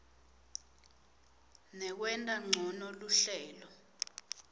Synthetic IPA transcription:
nɛk̬wɛntʼaŋ͡ǀʱɔnɔluɬɛːlɔ

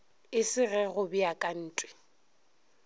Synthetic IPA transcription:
ɪsɪrɛɣʊbiakʼan̩ːtʼwɪ̥

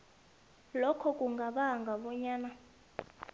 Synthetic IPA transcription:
lɔkʰɔkʼuŋɡʱaɓaŋɡʱaɓɔɲaːna

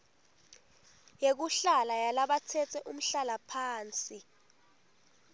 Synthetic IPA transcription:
jek̬uɬalajalaɓat͡sʰɛt͡sʰɛʔum̩ɬalapʰaːnt͡sʼi

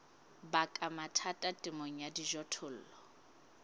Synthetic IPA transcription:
bakʼamatʰatʼatʼɪmoŋ̩jadiʒɔtʰʊl̩ːlɔ

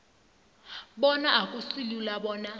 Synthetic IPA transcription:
ɓɔnaakʼusilulaɓɔːna

